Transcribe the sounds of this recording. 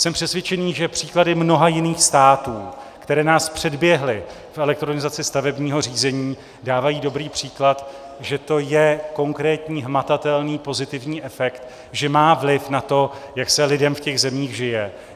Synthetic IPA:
sɛmpr̥ɛsvjɛt͡ʃɛniːʒɛpr̥iːkladɪmno̞ɦajɪniːxst̪aːt̪uːkt̪ɛɾɛːnaːspr̝̥ɛdbjɛɦlɪ | fɛlɛk̚t̪ɾo̞nɪzat͡sɪst̪avɛbɲiːɦo̞riːzɛɲiː | daːvajiːdo̞bɾiːpr̥iːklat̪ | ʒɛt̪o̞jɛko̞ŋkɾɛːt̪ɲiːɦmat̪at̪ɛlniːpo̞zɪt̪ɪvɲiːʔɛfɛkt̪ | ʒɛmaːvlɪfnat̪o̞jaksɛlɪdɛmfcɛɣzɛmiːɣʒɪjɛ

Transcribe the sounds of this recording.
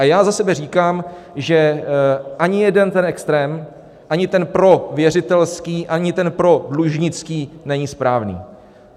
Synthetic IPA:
ʔajaːzasɛbɛr̝iːkaːm | ʒɛ | ʔaɲɪjɛdɛnt̪ɛnʔɛkst̪ɾɛːm | ʔaɲɪt̪ɛnpɾo̞vjɛr̝ɪt̪ɛlskiːʔaɲɪt̪ɛnpɾo̞dluʒɲɪt͡skiːnɛɲispɾaːvnḭː

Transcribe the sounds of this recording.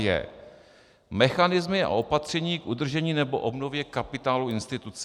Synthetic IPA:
jɛ̰ | mɛxanɪzmɪa̰ʔo̞pat̪r̝̥ɛɲiːkʔud̪r̩ʒɛɲiːnɛbo̞̰ʔo̞bnovjɛkapɪt̪aːluʔɪnst̪ɪt̪ut͡s

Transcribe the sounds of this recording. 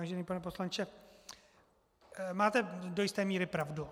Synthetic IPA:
aːʒɛniːpanɛpo̞slant͡ʃɛ | maːt̪ɛdojɪst̪ɛːmiːɾɪpɾavdu

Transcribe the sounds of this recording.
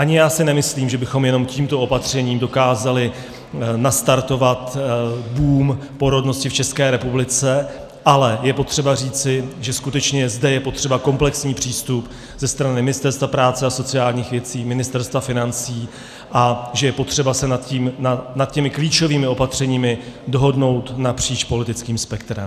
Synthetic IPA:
ʔaɲɪjaːsɪnɛmɪsliːmʒɛbɪxo̞mjɛno̞mciːmt̪o̞ʔo̞pat̪r̝̥ɛɲiːmdo̞kaːzalɪ | nast̪aɾt̪o̞vat̪buːm | po̞ɾo̞dno̞scɪft͡ʃɛskɛːɾɛpublɪt͡sɛ | ʔalɛjɛpo̞t̪r̥ɛbariːt͡sɪʒɛskut̪ɛt͡ʃɲɛzdɛjɛpo̞t̪r̝̥ɛbako̞mplɛksɲiːpr̝̥iːst̪up | zɛst̪ɾanɪmɪnɪst̪ɛɾst̪vapɾaːt͡sɛaso̞tt͡sɪaːlɲiːxvjɛt͡siːmɪnɪst̪ɛɾst̪vafɪnant͡siː | ʔaʒɛjɛpo̞t̪r̝̥ɛbasɛnat̪ciːmnanat̪̚cɛmɪkliːt͡ʃo̞viːmɪo̞pat̪r̝̥ɛɲiːmɪdo̞ɦo̞dno̞wt̪napr̝̥iːt͡ʃpo̞lɪt̪ɪt͡skiːmspɛk̚t̪ɾɛ̰m

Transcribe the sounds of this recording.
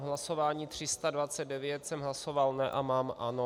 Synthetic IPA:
ɦlaso̞vaːɲiːt̪r̝̥ɪst̪advat͡sɛd̚dɛvjɛt̪sɛmɦlaso̞valnɛʔamaːmʔano

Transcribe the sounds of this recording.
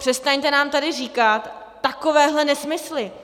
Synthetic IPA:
pr̥ɛst̪aɲt̪ɛnaːmt̪adɪriːkat̪ː | akovɛːɦlɛnɛsmɪslɪ

